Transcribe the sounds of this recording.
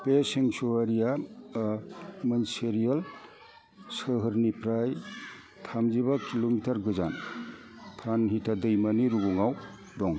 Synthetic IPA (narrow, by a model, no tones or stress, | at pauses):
pesiŋsuwaɾija | mɐnseɾijal | sɯɦɯɾnipɾaj | tʰamd͡ʒibakilomitɐɾɡɯzan | tʰanɦitʰadɯjmaniɾuɡuŋaw | dɔŋ